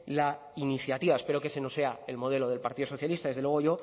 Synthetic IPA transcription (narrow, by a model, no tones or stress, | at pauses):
la | iniθjat̪iβae̞speɾo̞keseno̞se̞ae̞lmo̞ð̞e̞lo̞ð̞elpaɾt̪iðoso̞θjalist̪aðe̞zðewe̞ɣo̞ʝo̞